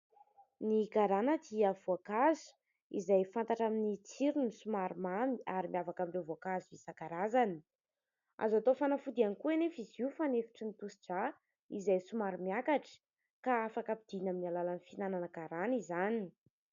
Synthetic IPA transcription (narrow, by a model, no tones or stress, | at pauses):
niɡaɾanəd̪iəvuakazu̥ | izajfant̪aʈ͡ʂaminit͡siɾunisumaɾumamiaɾimiavakamiɳɖ͡ʐevoakazivisakaɾazani̥ | a̰zat̪ofanafud̪ianikuenefiziufanefi̥ʈ͡ʂinit̪usi̥d͡ʒa | izajsumaɾimiakaʈ͡ʂə̥ | kaafakapid̪̥inaminialalanifinananəɡaɾanizani